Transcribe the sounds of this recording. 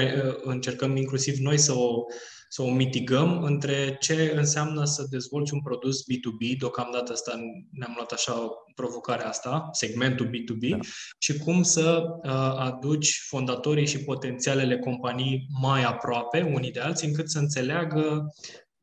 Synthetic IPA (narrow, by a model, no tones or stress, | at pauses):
ojəɨnt͡ʃe̞rkəmiŋklusivno̞jsəo̞ | səo̞mit̪iɡəmɨnt̪ɾe̞t͡ʃe̞ɨnseamnəsəd̪e̞zvo̞lt͡ʃʲunpɾo̞d̪usbit̪ubid̪eokamd̪at̪əast̪aneamloat̪aʃapɾo̞vo̞kaɾeast̪ase̞ɡme̞nt̪ulbit̪ubiʃikumsəəad̪ut͡ʃʲfo̞nd̪at̪o̞ɾijʃipo̞t̪e̞nt̪siale̞le̞ko̞mpanijmajapɾoape̞unid̪e̞alt̪siɨŋkɨt̪səɨnt̪se̞leaɡə